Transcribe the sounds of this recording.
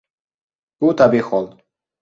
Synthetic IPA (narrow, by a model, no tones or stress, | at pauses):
kut̪abexɔlˠ